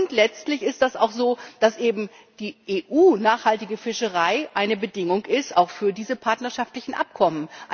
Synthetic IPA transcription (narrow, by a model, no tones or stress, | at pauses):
ʊntlɛt͡stlɪçɪstd̥asa̰ʊxz̥oːd̥asʔeːbm̩ | d̥iːʔeːʔuːnaːχhaltɪɡəfɪʃəʁaɪʔaɪnəbədɪŋʊŋɪstaʊxfyːɐdiːzəpʰaɐtnɐʃaftlɪçn̩ʔa̰p̚kʰɔmənʔ